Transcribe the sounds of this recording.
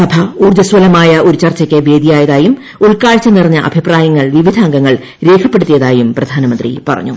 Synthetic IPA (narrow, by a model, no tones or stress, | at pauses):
sɐbʱɐuːrd̪ɐswɐlɐmaːjɐʔo̞ɾut͡ɕɐrt͡ɕːɐkʲːeʋe̞ːd̪ijaːjɐðaːjum | uɭkaːɭt͡ɕːɐnirɐɲːɐʔɐ̰bʱipraːjɐŋːɐɭʋiʋid̪ʱaːŋɡɐŋːɐɭ | ɾe̞ːkʰɐpːeɽut̪ːijɐðaːjumprɐd̪ʱaːnɐmɐnd̪rḭpɐrɐ̰ɲːu